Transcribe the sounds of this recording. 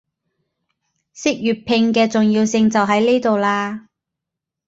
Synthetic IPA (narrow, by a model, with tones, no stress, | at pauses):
sɪ˥k̚jyː˨t̚pʰɪ˧ŋkɛː˧t͡sʊ˨ŋjiː˧wsɪ˧ŋt͡sɐ˨wɦɐ˨˥jne˥jt̪o˨wlaː˧